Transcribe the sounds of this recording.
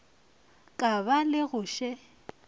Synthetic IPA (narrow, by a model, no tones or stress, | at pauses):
kʼabalɪɣʊʃɛ